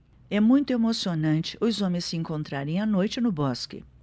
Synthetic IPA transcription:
ɛmũj̃t̪ʊemosionɐ̃nt͡ʃɪʔʊzõmɪ̃sːɪẽŋkõnt̪ɾaɾẽj̃anojt͡ʃɪnʊbɔskɪ̰

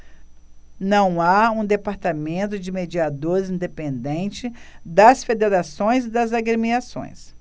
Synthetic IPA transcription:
nɐ̃w̃aũd̪epaɾt̪amẽnt̪ʊd͡ʒɪmed͡ʒiad̪oɾzĩnd̪epẽnd̪ẽnt͡ʃɪd̪ɐsfed̪eɾasõj̃zɪd̪ɐzaɡɾemiasõ̰j̃s

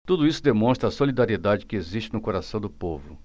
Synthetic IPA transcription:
t̪ud̪ʊisʊd̪emõst̪ɾɐːsolid̪aɾied̪ad͡ʒɪkɪeziʃt͡ʃɪnʊkoɾasɐ̃w̃d̪ʊpovʊ

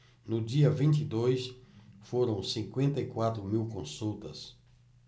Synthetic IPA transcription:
nʊd͡ʒiɐvĩnt̪id̪ojsfoɾɐ̃w̃sĩŋkwẽnt̪ɐikwat̪ɾʊmiwkõsuwt̪ɐs

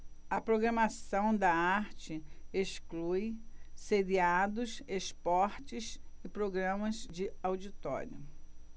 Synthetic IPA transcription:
ɐpɾoɡɾɐmasɐ̃w̃d̪ɐaɾt͡ʃɪeʃklujseɾiad̪ʊsespɔɾt͡ʃɪsɪpɾoɡɾɐ̃mɐzd͡ʒɪawd͡ʒit̪ɔ̰ɾiʊ

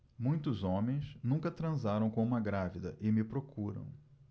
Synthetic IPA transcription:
mũj̃t̪ʊzõmẽj̃snũkɐt̪ɾɐ̃zaɾɐ̃w̃kõũmɐɡɾavid̪ɐʔɪmɪpɾokuɾɐ̰̃w̃

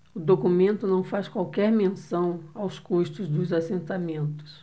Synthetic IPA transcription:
ʊd̪okumẽnt̪ʊnɐ̃w̃faskwawkɛɾmẽsɐ̃w̃awskuʃt̪ʊzd̪ʊzasẽnt̪amẽnt̪ʊ̥s

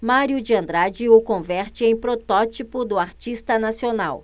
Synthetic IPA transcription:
maɾjʊd͡ʒiɐ̃nd̪ɾad͡ʒɪʊkõvɛɾt͡ʃɪẽj̃pɾot̪ɔt͡ʃipʊd̪ʊaɾt͡ʃist̪ɐnasionaw

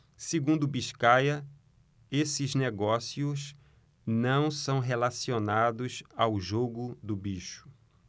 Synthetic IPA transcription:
seɡũnd̪ʊbiʃkajɐ | esɪzneɡɔsiʊs | nɐ̃w̃sɐ̃w̃ɦelasionad̪ʊzawʒoɡʊd̪ʊbiʃʊ̥

